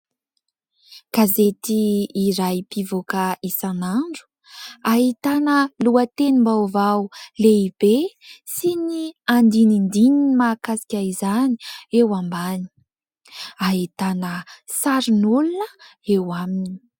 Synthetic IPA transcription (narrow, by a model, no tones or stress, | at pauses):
kazet̪iːɾajpivokaisanaɳɖ͡ʐu̥ | aɦit̪anəluət̪enimbawvawleib̥esiniand̪inind̪ininimaːkasi̥kʲaizaniewambani̥ | aɦit̪anəsaɾinulunəewamini̥